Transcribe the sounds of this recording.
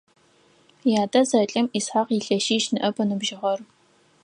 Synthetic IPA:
jaːdɐzɐɬʼɐmisħaqiɬɐʃiːʃnɨʔɐbɐnɨbʒɪʁɐr

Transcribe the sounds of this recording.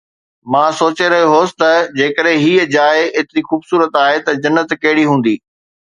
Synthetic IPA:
mãːsoːt͡ɕeɾɐɦijoɦoːsɪ̥t̪ɐd͡ʑeːkəɗɦẽɦiːəd͡ʑaːeeːt̪ɪɾixuːbsuːɾət̪aːɦet̪ɐd͡ʑɐnːət̪kɐɦɪɽiɦũːn̆d̪iː

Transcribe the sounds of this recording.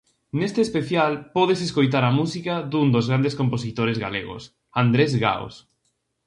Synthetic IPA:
nest̪eespeθjalpɔðeseskojt̪̬aɾɐmusikaðund̪ozɣɾand̪eskomposit̪oɾezɣa̰leɣʊ̰s | and̪ɾezɣa̰o̰s

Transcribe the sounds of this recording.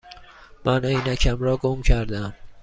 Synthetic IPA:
mænejnæcʲʰæmɾɒːɡomcʰæɾd̪æm

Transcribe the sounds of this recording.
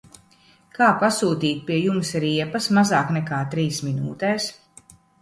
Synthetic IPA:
kaːpasuːt̪iːt̪̚pʲiɛjumsɾiɛpɐsmazaːknɛkaːt̪ɾiːsminuːt̪ɛːs

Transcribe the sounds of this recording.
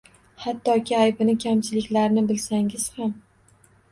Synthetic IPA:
hat̪ːɒkʲɪajbɪnɪkʲʰamt͡ʃʰɪlɪkʲlaɾnɪbɪlsaŋɪz̥ham

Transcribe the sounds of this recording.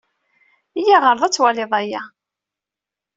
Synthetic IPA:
ijæʁəɾˤðˤæt͡sːwælɪðˤæjæ

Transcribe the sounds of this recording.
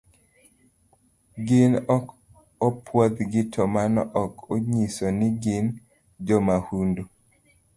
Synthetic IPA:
ɡɪn | ɔpʰwod̪ɡɪtʰɔmanɔʔɔkoɲisɔnɪɡɪn | d͡ʒɔmahundu

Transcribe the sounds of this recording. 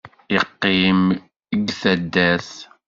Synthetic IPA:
ɪqːim | əɡθæd̪ːæθ

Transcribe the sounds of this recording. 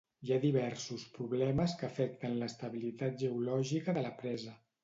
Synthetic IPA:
iaðiβɛɾsuspɾuβlɛməskəfɛk̚t̪ənləst̪əβilit̪at̪̚ʒəulɔʒikəðələpɾɛzə

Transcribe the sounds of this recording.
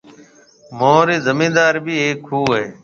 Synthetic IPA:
moːɾeːzəmĩːnd̪aːɾbʱiːeːkɦuːɦeː

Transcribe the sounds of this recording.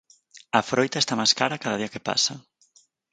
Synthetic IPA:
ɐfɾojt̪aest̪amajskaɾakaðɐðiɐkepa̰sɐ

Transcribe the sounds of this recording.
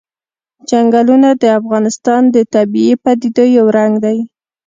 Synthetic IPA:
d͡ʒaŋɡalunad̪əafɣɑnɪst̪ɑnd̪ət̪abiepad̪id̪ojawɾaŋɡd̪aj

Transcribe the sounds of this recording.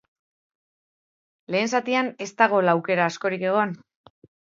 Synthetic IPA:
le̞ːnsat̪iane̞st̪aɣ̞o̞laːwke̞ɾaːsko̞ɾike̞ɣ̞o̞n

